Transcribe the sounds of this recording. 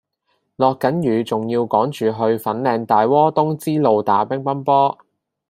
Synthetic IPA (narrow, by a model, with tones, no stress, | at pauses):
lɔː˨kːɐ˨˥njyː˨˧t͡sʊ˨ŋjiː˧wkɔː˨˥ŋt͡ʃyː˨ɦɵ˧ɥfɐ˨˥nlɛː˧ŋt̪aː˨jwɔː˥t̪ʊ˥ŋt͡siː˥lo˨˧wt̪aː˨˥pɛ˥ŋpɐ˥npɔː˥